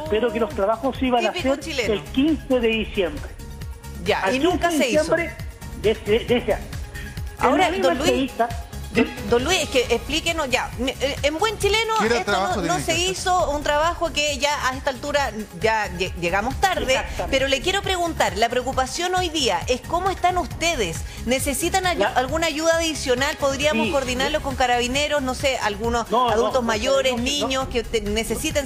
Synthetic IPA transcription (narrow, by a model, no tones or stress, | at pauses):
peɾokelost̪ɾaβaxosiβanapiekoɾt͡ʃileelkinseðeðisjembɾe | jaainũnŋkaseiesmbɾe | d̪esed̪esa | a̰oɾadmolwieit̪ad̪ed̪onlwisehkeʔehplikenoʝameembwe̞nt͡ʃilenoet̪onoseisount̪ɾaβaxokeʝaʔaest̪alt̪uɾajajeʝeɣamost̪aɾðepeɾolekjeɾo̞pɾe̞ɣunt̪aɾlapɾeokupasjo̞no̞jðiaʔeskomoest̪anust̪eðes | ne̞se̞sit̪anaalɣunaːʝuðaːðisjo̞nalpoðɾiamoskoɾðinaɾloko̞ŋkaɾaβineɾosnosealɣunosaðult̪ozmaʝoɾesniɲosket̪enese̞sit̪en